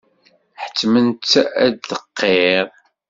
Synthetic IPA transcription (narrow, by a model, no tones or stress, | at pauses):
ħə̥t͡sːmənt͡sːædəqːeʁ